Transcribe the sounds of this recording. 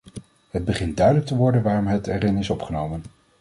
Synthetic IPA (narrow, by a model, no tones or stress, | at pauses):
həd̚bəχɪnt̚dœɥdələk̚təʋɔɹdənʋaːrɔmətɛɾɪnɪsɔpχənowmən